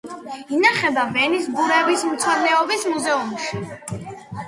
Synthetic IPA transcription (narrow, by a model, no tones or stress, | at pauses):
inaχɛbavɛnisɡuɾɛvismt̪sʰwaɾnɛɔbismuzɛumʃi